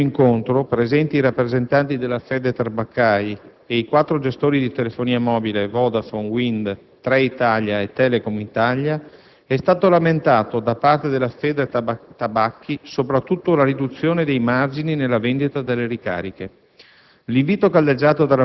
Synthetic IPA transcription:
iŋkont̪ɾopɾezɛnt̪iːɾapːɾezent̪ant̪id̪elːafɛːd̪et̪arbakːaj | eikwat̪ːɾod͡ʒest̪oːɾid̪it̪elefoniːamɔːbilevɔd̪afoŋɡwind̪ | t̪ɾɛit̪aljaet̪ːɛːlekomit̪alja | ɛst̪aːt̪olament̪aːt̪od̪apart̪ed̪elːafɛːd̪et̪abakʰːisopɾat̪ːut̪ːolaɾid̪ut̪sːjoːned̪ejmard͡ʒininelːavend̪it̪ad̪elːeɾika̰ːɾike | liɱviːt̪okalːed͡ʒːaːt̪od̪ala

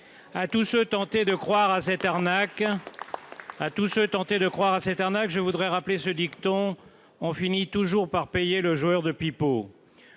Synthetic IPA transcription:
at̪usøt̪ɑ̃t̪ed̪əkχwaʁasɛt̪aʁnak | at̪usøt̪ɑ̃t̪ed̪əkχwaʁasɛt̪aʁnakʒəvud̪ʁɛʁaplesəd̪ikt̪ɔ̃ | ɔ̃finit̪uʒuʁpaʁpejeləʒuœʁd̪əpipo

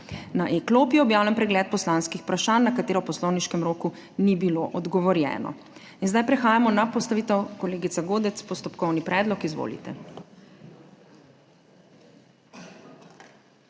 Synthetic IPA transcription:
naʔeklopjɛɔbjaːwlampɾɛɡlɛːt̪̚pɔslanskixpɾaʃaːnːakat̪eːɾɔwpɔslɔwniʃkɛmɾoːku | nibiloʔɔd̪ɡɔʋɔɾjɛ̰ːnɔ̰ | inzd̪ajpɾɛxaːjamɔnapɔst̪aʋiːt̪ɛwkɔleːɡit̪saɡoːd̪ɛt̪spɔst̪ɔpkɔwnipɾɛːd̪lɔkizʋo̰ːlḭt̪ɛ̰

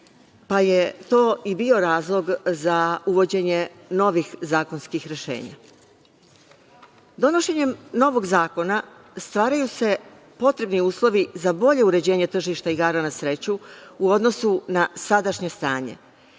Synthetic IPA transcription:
paje̞t̪o̞ːʔibio̞ɾaːzlˠo̞ɡzauʋo̞d͡ʑe̞ɲe̞ | no̞ʋixzaːko̞nskixɾeʃe̞̰ːɲa̰ | d̪o̞no̞ʃe̞ɲe̞mno̞ʋo̞ɡzaːko̞na | st̪ʋaːɾajuse̞ | po̞t̪ɾe̞bniuːslˠo̞ʋizabo̞ʎe̞uɾe̞d͡ʑe̞ːɲe̞t̪r̩ʒiʃt̪aiɡaːɾanasɾe̞t͡ɕuuo̞d̪nosunasad̪aʃɲe̞st̪aːɲe̞̰

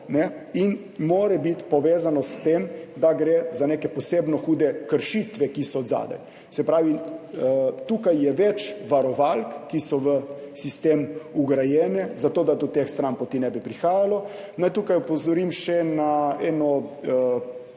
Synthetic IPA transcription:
nɛin | moːɾɛbit̪pɔʋeːzanɔst̪emd̪aɡɾezanekɛpɔseːbnɔxuːd̪ɛkəɾʃit̪ʋɛkisɔːd̪za̰ːd̪ɛ̰ | sɛpɾaːʋi | t̪uːkajːɛʋɛt͡ʃʋaɾɔʋalkːisɔʋə | sist̪eːmuɡɾajɛːnɛzat̪oːd̪ad̪ɔt̪exst̪ɾampɔt̪inɛbipɾixaːjalɔ | najt̪ukajɔpɔzɔɾimʃɛnaɛnɔ

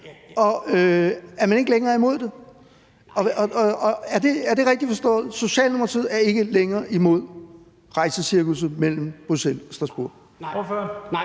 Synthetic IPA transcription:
ɒ̽øæɐmæne̝ɡ̥əleŋɐːimo̝ð̞̰ˠd̥e̝ | ɒ̽ɒæɐd̥e̝æɐd̥e̝ʁɛɡ̥̚d̥ifɒ̽sd̥ɔ̰̽ːð̩ˠso̝ɕɛ̰ːlnimɐʁt͡sʰið̰ˠæɐe̝ɡ̥əleŋɐːʔimo̝ð̞̰ˠ | ʁɑ̈ɪsəsiɐɡ̥l̩səmel̰m̩b̥ʁusel̰ɒ̽sd̥ʁɑ̈sb̥uɐ̰

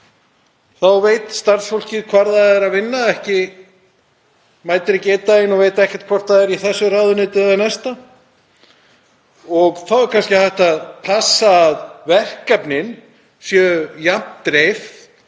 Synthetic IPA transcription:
θawvejt̪st̪aɾ̥sfowl̥cɪðkʰvaɾθaðɛɾavɪnːaɛhcɪ | majt̪ɪɾɪcɛːt̪aɪnɔɣvejt̪aɛhcɛ̥ɾ̥t̪kʰvɔr̥t̪ʰaðɛɾiθɛsːʏraːðʏneːt̪ɪðanɛst̪a | ɔɣθawɛɾkʰanscɪθajht̪aðpʰasaːðvɛr̥kːɛpnɪn | sjœjam̥t̪ɾejf

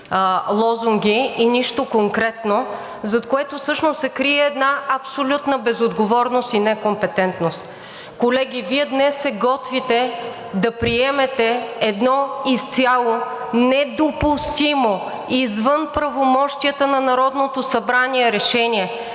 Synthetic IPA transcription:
lˠɔzuŋɡʲiiniʃt̪okoŋkɾɛt̪no | zɐt̪koɛt̪osɤʃnosːɛkɾiɛːd̪naɐpsolʲut̪nəbɛzod̪ɡovɔɾnost̪inɛkompɛt̪ɛnt̪nost̪ | kolɛɡʲiviɛd̪nɛsːɛɡɔt̪vit̪ɛ | d̪ɐpɾiɛmɛt̪ɛɛd̪nɔist̪sʲjalˠonɛd̪opust̪imo | izvɤnpɾɐvomɔʃt̪iət̪ənɐnɐɾɔd̪not̪osɐbɾaniɛɾɛʃɛniɛ

